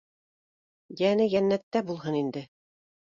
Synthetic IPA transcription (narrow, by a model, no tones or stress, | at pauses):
jænɘjænːæt̪ːæbulˠɦɤnind̪ɘ